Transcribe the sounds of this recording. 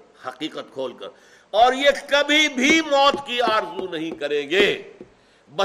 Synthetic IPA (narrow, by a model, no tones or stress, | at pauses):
hɐqiːqət̪̚kʰoːlkɐ̰ɾ | ɔːɾjekɐbʱibʱimɔːt̪kiaːɾzunɐɦĩkɐɾẽːɡeː | bɐ